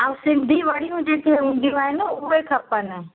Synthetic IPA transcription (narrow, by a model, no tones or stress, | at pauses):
ausɪ̃nd̪ʱiʋɐɽijũd͡ʒeːkʰeɦĩːnd̪ʱijũaːɦɪnəʊɦekʰɐpənə